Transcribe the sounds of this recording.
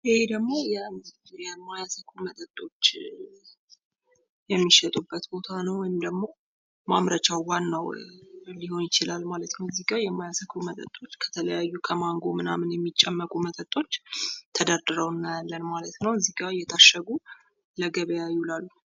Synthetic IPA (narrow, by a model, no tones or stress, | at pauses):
ʔihed̪əɡmo̞janjɛmːajasəkʰumət̪ʼət̪ʼːo̞t͡ʃː | jɛmːiʃɛt̪ʼubːət̪bo̞t̪ʰanəwwɔjɪmd̪əɡmo̞ | mamɾət͡ʃawwanːəwliho̞njɪt͡ʃilalmalət̪nəwziɡʼajɛmːajasəkʰɾumət̪ʼə̰t̪ʼːo̞t͡ʃːkʰə̥t̪ʰələjajːukʰəmaŋɡomɨna̰mɨnjɛmːit͡ʃʼːɛmːəkʼumət̪ʼət̪ʼo̞t͡ʃːt̪ʰəd̪əɾd̪ɨɾəwnːajalːənmalət̪nəwziɡajːɛt̪ʰaʃəɡu | ləɡəβəjajɪulalːu